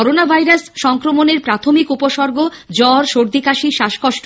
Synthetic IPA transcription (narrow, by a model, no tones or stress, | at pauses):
ɔɾonabʱajɾasʃɔŋkɾomoneɾpɾat̪ʰomikupoʃɔɾɡo | d͡ʑɔɾʃoɾd̪ikaʃiʃaʃkɔʃʈ